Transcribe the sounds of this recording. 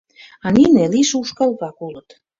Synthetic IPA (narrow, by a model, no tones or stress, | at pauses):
ɑnineliʃuʃkɑlβɑkulə̆t̪